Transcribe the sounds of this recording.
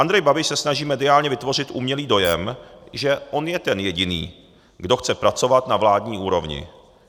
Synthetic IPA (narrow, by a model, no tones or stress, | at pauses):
ʔand̪ɾɛjbabɪʃsɛsnaʒiːmɛdɪaːlɲɛvɪt̪vo̞r̝ɪt̪ʔuːmɲɛliːdo̞jɛmʒɛʔo̞njɛt̪ɛnjɛɟɪnḭː | ɡdo̞xt͡sɛpɾat͡so̞vat̪navlaːdɲiːʔuːɾo̞vɲɪ̰